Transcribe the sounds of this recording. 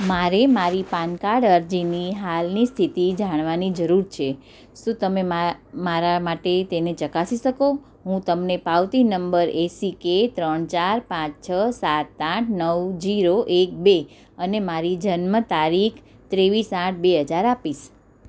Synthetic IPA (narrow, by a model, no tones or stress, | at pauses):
maɾemaɾipankaɽəɾd͡ʒiniɦalnist̪ʰit̪id͡ʒaɽ̃ʋanid͡ʒəɾuɾt͡ʃʰe | ʃũt̪əmemamaɾamaʈet̪enet͡ʃəkasiʃəko | ɦũt̪əmnepaʋt̪inəmbəɾesiket̪ɾəɳt͡ʃaɾpãt͡ʃt͡ʃʰəsat̪ːãʈʰnəwd͡ʒiɾoʔek̚be | ənemaɾid͡ʒənmət̪aɾikʰt̪ɾeʋisãʈ̚ʰbeɦəd͡ʒaɾapiʃ